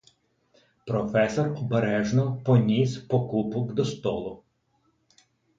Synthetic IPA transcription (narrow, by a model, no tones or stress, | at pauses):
pɾɔfɛsɔrɔbeɾɛʒnɔpɔnʲispɔkupɔkd̪ɔst̪ɔlˠʊ